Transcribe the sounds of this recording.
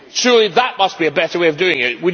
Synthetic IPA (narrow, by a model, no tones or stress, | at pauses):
tʰɹ̥ʊlˠiðət̚mʌs̚b̥iɨbɛɾə˞weɪʌvdʉɪ̃ŋɪt̚wi